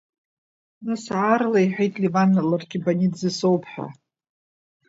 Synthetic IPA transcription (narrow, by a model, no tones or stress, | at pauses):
nɨsʕarlaiħʷᶣejtʼlivanːalarɡʲibanʲidzɨsowpʰħʷᶣa̰